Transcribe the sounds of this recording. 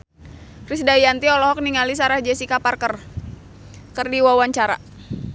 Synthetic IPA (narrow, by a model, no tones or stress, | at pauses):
krisdajant̪iɔlɔɦɔk̚niŋalis̬aɾahd͡ʒɛsikaparkər | kərdiwawaɲt͡ʃaɾa̰